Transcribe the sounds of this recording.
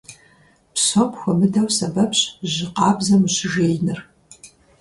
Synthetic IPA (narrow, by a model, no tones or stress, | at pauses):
pɕopxʷɔmɨdɐwsɐbɐpɕʑɪqɑːbzɐmɨɕɪʒeːjnɨr